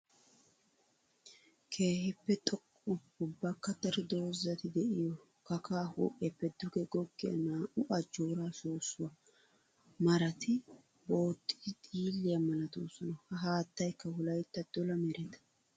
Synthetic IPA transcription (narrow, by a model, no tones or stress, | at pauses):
kʰe̞ːhɪpːɛt̪ʼɔkʼːʊ | ʊbːɐkːɐt̪ːɐɾɪd̪o̞ːzɐt̪ɪd̪ɛʔɪjɔ | kɐkʰaːho̰ːʔʼɪjɐpːɛd̪ʊɡɛɡɔɡːɪjɐ̰naːʔʊʔɐd͡ʒoːɾaːʃoːsːʊwɐ | mɐɾɐt̪ʰɪ | bo̞ːt̪ʼːɪ̥d̪ɪt̪ʼiːlːɪjɐmɐlɐd̪uːsɔnɐhɐɦaːt̪ːɐjkːɐhʊlɐjt̪ːɐd̪̥ɔlɐmɛɾɛt̪ɐ̥